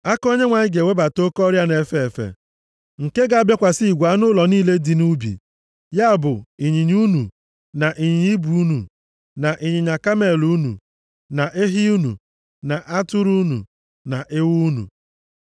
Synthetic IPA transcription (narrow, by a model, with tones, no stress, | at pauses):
a˦ko˦ɲe˦ŋʷa˨ɲɪ˦ɡe˨we˦ba˨to˦kɔ˦ɾja˦ne˨fe˦e˨fḛ˨ | ŋ̩˨ke˦ɡa˦˨a˨bja˦kʷa˨si˦i˨ɡʷa˨˦nʊ˦lɔ˨niː˦le˦di˨nu˦bḭ˨ | ja˦a˨bʊ˨i˨ɲi˨ɲu˦nṵ˨ | na˨ʔi˨ɲi˨ɲi˦bu˨˦nṵ˨ | na˨ʔi˨ɲɪ˨ɲa˨ka˦me˨lu˦nṵ˨ | na˨ʔe˦ɦɪ˦u˦nṵ˨ | na˨ʔa˦tʊ˦ɾu˦u˦nṵ˨ | na˨ʔɪ˦wu˦u˦nṵ˨